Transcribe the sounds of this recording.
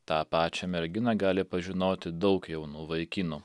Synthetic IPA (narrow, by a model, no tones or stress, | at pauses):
t̪ɑːpɑːt͡ʃʲɛmʲɛɾʲɡʲɪnɐɡɑːlʲɪpɐʒʲɪnoːt̪ʲɪd̪ɒʊkjɛʊnuːʋɐɪkʲɪnuː